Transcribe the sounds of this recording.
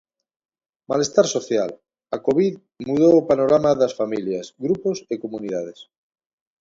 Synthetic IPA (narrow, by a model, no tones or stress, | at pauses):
malest̪aɾsoθjal | akoβið | muðoːpanoɾamaðasfamiljasɡɾuposekomuniðað̞es